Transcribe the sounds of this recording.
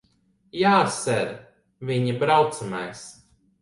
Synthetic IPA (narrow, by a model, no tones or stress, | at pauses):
jaːsɛɾ | vʲiɲibɾawt̪sama̰js